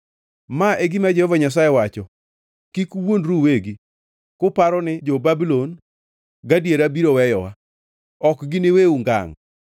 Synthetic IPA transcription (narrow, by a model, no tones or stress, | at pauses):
maʔeɡɪmad͡ʒehɔvaɲas̬ajewat͡ʃɔ | kikwonɾuweɡi | kʊpaɾɔnɪd͡ʒobabilon | ɡadjeɾabiɾowɛjɔwa | ɔkɡɪneweuŋɡa̰ŋ